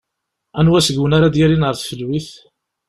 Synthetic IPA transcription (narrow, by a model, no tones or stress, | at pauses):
ænwæsəɡwənaɾad̪jiɾinʁəɾθfəlːwiθ